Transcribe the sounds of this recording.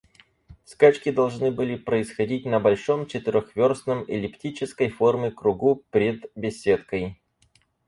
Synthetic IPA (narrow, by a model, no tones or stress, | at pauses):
skat͡ɕkʲɪd̪ɐlˠʐnɨbɨlʲɪpɾəɪsxɐdʲit̚ʲnəbɐlʲʂo̞mt͡ɕɪt̪ɨɾʲoxvʲo̞rsnəmɪlʲɪptʲit͡ɕɪskəjfo̞rmʲɪkɾʊɡupɾʲɪd̪bʲɪsʲːet̪kəj